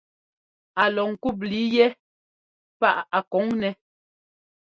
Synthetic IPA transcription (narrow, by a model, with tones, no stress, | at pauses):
a˨lɔ˨ŋ̩˨ku˦˨p̚li˨˦jɛ˦ | pa˦ʔa˨kɔ˨˦ŋnɛ˨